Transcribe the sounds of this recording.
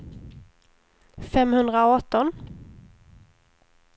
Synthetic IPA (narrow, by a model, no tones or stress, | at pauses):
fɛmhɵnd̪ɾaɔt̪ːɔn